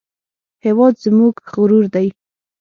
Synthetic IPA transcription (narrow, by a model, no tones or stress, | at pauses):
hewɑd̪zmuɡɣʊɾuɾd̪aj